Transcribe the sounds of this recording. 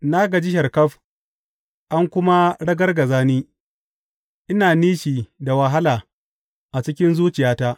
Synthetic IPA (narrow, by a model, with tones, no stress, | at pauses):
na˦ɡa˨d͡ʒɪ˦ʃɐ˨rkɐ˦ɸ | ʔa˦ŋkʷʊ˦ma˦ɽɐ˦ɡɐ˦rɡɐ˨zaː˦niː˦ | ʔɪ˦naː˨niː˦ʃiː˨da˨wɐ˨ɦa˦laː˨ | ʔa˨t͡ʃɪ˦kʲɪ˦nzuː˦t͡ʃɪ˨jaː˦ta˦ʔ